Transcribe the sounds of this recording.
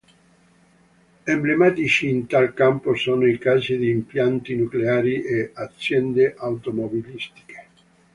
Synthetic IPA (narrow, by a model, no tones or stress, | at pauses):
emblemaːt̪it͡ʃiːnt̪alkamposoːnoikaːzid̪iːmpjant̪inukleaːɾiʔeat̪sːjɛnd̪eʔawt̪omobilist̪i̥ke̥